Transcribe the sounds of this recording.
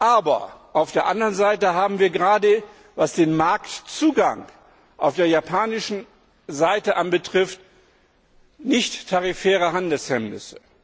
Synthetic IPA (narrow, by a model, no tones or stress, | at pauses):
ʔaːbɐ̰ʔaʊfd̥eːɐʔandəʁənzaɪtəɦaːbm̩viːɐɡəʁaːdə | vasd̥eːnmaɐktt͡suːɡaŋ | ʔaʊfd̥eːɐjapʰaːnɪʃn̩ | zaɪtəʔanbətʁ̥ɪft | nɪçtʰːaʁifɛːʁəɦandl̩shɛmnɪ̰sə̥